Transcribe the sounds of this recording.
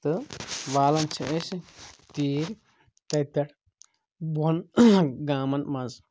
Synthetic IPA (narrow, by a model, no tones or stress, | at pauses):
t̪ɨʋaːlɐnt͡ʃʰɐʔest̪iːɾ | t̪ɐjt̪ɐʈʰ | bunɡaːmɐnmɐnz